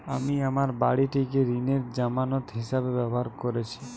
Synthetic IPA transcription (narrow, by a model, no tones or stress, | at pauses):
amiamaɾbaɽiʈikeɾineɾd͡ʒamanɔt̪ɦiʃabebɛboɦaɾkoɾet͡ɕʰi̥